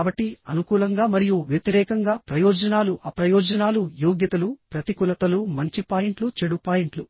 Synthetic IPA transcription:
bɐʈːiɐnukuːlɐŋɡaːmɐɾijuʋjɐt̪iɾɛːkɐŋɡaːpɾɐjɔːd͡ʒɐnaːluʔaːpɾɐjɔːd͡ʒɐnaːlujoːɡjɐt̪ɐlupɾɐt̪ikulɐt̪ɐlumɐɲt͡ʃipaːjiɳʈlut͡ʃeɽupaːjeɳʈlu

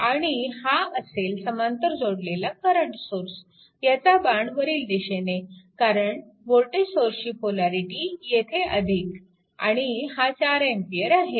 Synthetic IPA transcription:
aɽ̃ihaəselsəmant̪əɾd͡zoɽlelakəɾəɳʈsoɾs | jat͡sabaɳɖʋəɾiːld̪iɕenekaɾəɳʈ | ʋoɾʈed͡ʑsoɾɕiːpolaɾiʈijet̪ʰeʔəd̪ʱik | a̰ɽ̃ihãt͡ɕaɾempijəɾaɦe

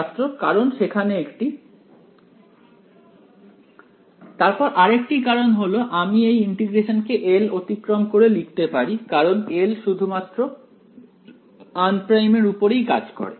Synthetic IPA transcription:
t̪ːɾokaɾonʃekʰaneekʈi | t̪aɾpɔɾʔaɾekʈikaɾonɦoloʔamiejiɳʈiɡɾeʃonkeʔelot̪ikɾomkoɾelik̚t̪epaɾikaɾonelʃud̪ʱumat̪ːɾo | anpɾajmeɾupoɾejka̰d͡ʑko̰ɾḛ

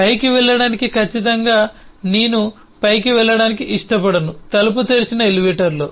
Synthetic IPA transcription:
pɐjkiʋɛɭːɐɽaːnikikʰɐt͡ʃːit̪ɐŋɡaːneːnu | pɐjkiʋɛɭːɐɽaːnikiʔiʂʈɐpɐɽɐnut̪ɐlɐp̬ut̪eːɾt͡ʃinɐeliʋiːʈɐɾlo̰ː

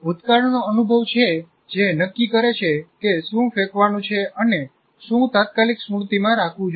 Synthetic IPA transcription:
ut̪kaɾɳnoənubʱəʋt͡ʃʰe | d͡ʒenəkːikəɾet͡ʃʰekesũfekʋanũt͡ʃʰeəne | ʃũt̪at̪̚kaliksuɽt̪imãɾakʰʋũd͡ʒ

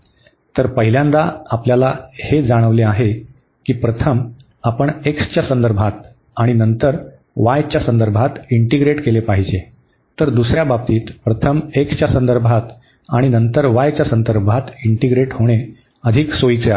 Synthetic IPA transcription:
t̪əɾpəɦiljãnd̪aapljalahed͡zaɽ̃əʋleaɦe | kiːpɾət̪ʰəm | apəɳekst͡ɕjasənd̪əɾbʱat̪ | aɽ̃inənt̪əɾ | ʋajt͡ɕjasənd̪əɾbʱat̪iɳʈiɡɾeʈkelepaɦid͡ʑe | t̪əɾd̪usɾjabab̚t̪iːt̪pɾət̪ʰəmekst͡ɕjasənd̪əɾbʱat̪ | aɽ̃inənt̪əɾʋajt͡ɕjasənd̪əɾbʱat̪iɳʈiɡɾeʈhoɽ̃e | əd̪ʱiksojt͡seae

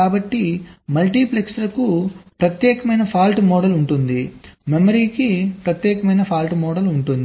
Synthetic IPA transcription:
kaːbɐʈːimɐlʈiːpleksɐlɐkupɾɐt̪jɛːkɐmɐjnɐpʰaːlʈmɔːɽɐluɳʈund̪imemɐɾiːkipɾɐt̪jɛːkɐmɐjnɐpʰaːlʈmɔːɽɐluɳʈund̪

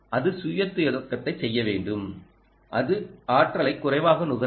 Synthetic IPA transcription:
ʔɐðɯsʊjɐt̪ːɪjɐðɐkːɐt̪ːɐɪsɛjːɐʋeːɳɖɯm | ʔɐðɯaːʈrɐlɐɪkːʊrɐɪʋaːɣɐnʊɣɐ

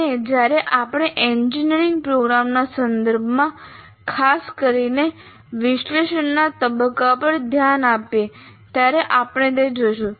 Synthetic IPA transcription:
ed͡ʒjaɾeʔapəɽ̃eʔend͡ʒineɾiŋɡ̚pɾoɡɾamnasənd̪əɾbʱmã | kʰaskəɾine | ʋɪʃleʃənːat̪əbəkːapəɳd̪ʱjanape | t̪jaɾeʔapɽ̃ed̪ed͡ʒojʃũ

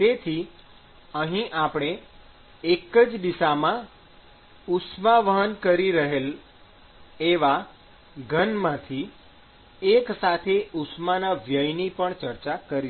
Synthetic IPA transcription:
t̪et̪ʰi | əɦĩʔapɽ̃e | ekəd͡ʒd̪isamã | ʊsmaʋəɦənkəɾiɾəɦel | eʋa | ɡʱənmãt̪ʰi | eksat̪ʰeʔʊsmanaʋjəjnipəɳt͡ʃəɾt͡ʃakəɾi

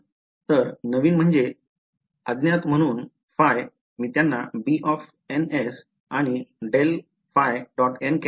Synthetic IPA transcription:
t̪əɾnəʋiːnm̤əɳd͡ze | əd̪njat̪m̤əɽ̃uːn | faj | miːt̪janːabiʔɔf | enes | aɽ̃iɖel | fajɖɔʈenke

